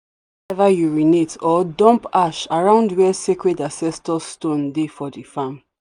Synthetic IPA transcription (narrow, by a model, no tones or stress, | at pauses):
ɛvajuɹinetɔdɔ̃mpaʃaɹãʊ̃ndwɛsekɹɛdãsɛstɔstõndefɔdifãm